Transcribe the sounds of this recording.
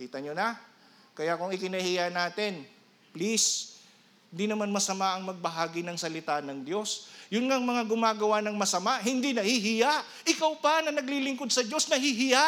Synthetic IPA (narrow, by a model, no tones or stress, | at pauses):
kiːt̪ɐɲona | kɐjakʊŋɪkɪnɐhijanaːt̪ɛn | plis | hnd̪inɐmanmɐsɐmaʔɐŋmɐɡ̚bɐɦaːɡɪnɐŋsɐlɪt̪anɐŋd̪jo̞sjʊnŋaŋmɐŋaɡʊmaːɡɐwanɐŋmɐsɐmaʔɦɪnd̪inɐhiɦɪjaʔ | ʔɪkawpɐnɐnɐɡlilɪŋko̞d̪̚sɐd͡ʒo̞snɐɦiɦɪja